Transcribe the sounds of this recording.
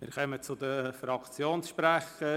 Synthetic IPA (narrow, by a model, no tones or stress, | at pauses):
mɪ̰ɾχœmət͡sʊd̪əfɾɑkt͡sjoːnsʃpɾæχə